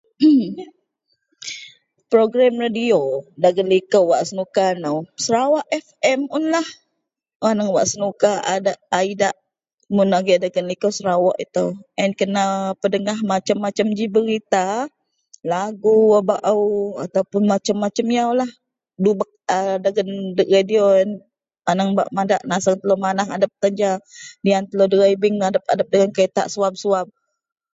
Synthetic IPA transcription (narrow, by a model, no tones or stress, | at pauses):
pɾoɡɾamradiodaɡənlikəwwaʔsənukanəwsəɾawaʔɛfɛmʊnlah | wanaŋwaʔsənukaʔadaʔaidaʔ | munaɡɛdaɡənlikəwsəɾawɔʔit̪əwɛnkənapədəŋahmat͡ʃamːat͡ʃamd͡ʒibəɾit̪a | laɡuabaʔawat̪awpʊnmat͡ʃamːat͡ʃəmjawlah | dubak̚ədaɡəndəɾedion | anaŋba̰ʔmadaʔnasəŋt̪əlomanaɦadəp̚t̪aɲd͡ʒadiant̪əlodəɣaibɪŋadap̚a̰dap̚dəŋankaət̪a̰ʔsuab̚suab̚